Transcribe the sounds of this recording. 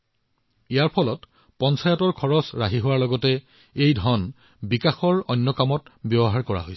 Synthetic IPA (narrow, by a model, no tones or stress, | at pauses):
ejaɹpʰɔlɔt | pɔnsʰajɔtɔɹkʰɔɹɔsɹaɦiɦʊwaɹlɔɡɔtɛ | ejdʱɔn | bikaxɔɹɔjnːɔkamɔtbjɔbɔɦaɹkɔɹa̰ɦojsɛ